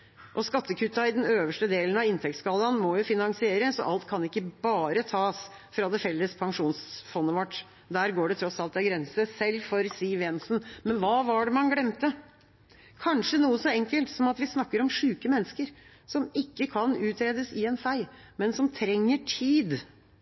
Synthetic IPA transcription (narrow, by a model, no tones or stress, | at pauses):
ʔɔskɑt̪ːəkʰʉt̪ːɑɪd̪ɛnøːʋəʂʈəd̪eːlən̩ɑʋɪnt̪ʰɛk̚t̪skɑːlɑnmɔjʊfɪnɑŋsɪeːɾəsɔ̰ʔɑlt̪kʰɑnɪkːəbɑːɾət̪ʰɑːs | fɾɑd̪ɛfɛlːəspʰɑŋʂuːnsfɔnːəʋɔʈː | d̪æːɾɡoːɖɛt̪ʰɾɔsɑlt̪ɑɡɾɛnsəsɛlːfɔɾsiːʋɛnsn̩mɛnʋɑːʋɑɖɛmɑnɡlɽɛmt̪ə | kʰɑnʂənuːəsɔɛŋkəlt̪sɔmɑt̪ʋɪsnɑkːəɾɔmʂʉːkəmɛnːəskəɾ | sɔmɪkːəkʰɑnʉːt̪ʰɾeːd̪əsɪɛnfæɪ | mɛnsɔmt̪ʰɾɛŋːəʈʰiːd̪